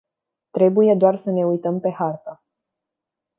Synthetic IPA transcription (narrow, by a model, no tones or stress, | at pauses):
t̪ɾe̞buje̞d̪oarsəne̞ujt̪əmpe̞hart̪a